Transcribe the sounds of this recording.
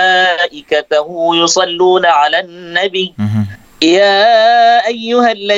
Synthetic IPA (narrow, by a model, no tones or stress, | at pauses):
ʔɪkat̪ahʊjʊsˤɑlːuːnaʕalaːnːabiː | jaːʔajːʊhalːa